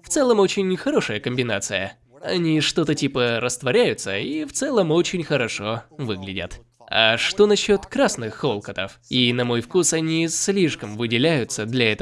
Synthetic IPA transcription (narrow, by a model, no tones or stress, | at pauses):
ft̪sɛlˠəmot͡ɕɪnʲxɐɾo̞ʂəjəkəmʲbʲɪnat̪sɨjə̰ | ɐnʲiʂt̪o̞t̪ətʲipəɾəst̪vɐɾʲæjʊt̪səift̪sɛlˠəmo̞t͡ɕɪnʲxəɾɐʂo̞vɨɡlʲɪdʲə̰t̪ | ɐ̰ʂt̪o̞nɐɕːo̞t̪kɾasnɨxːo̞lˠkət̪əfinɐmo̞jfkusɐnʲislʲiʂkəmvɨdʲɪlʲæjʊt̪səd̪lʲɐɛt̪ə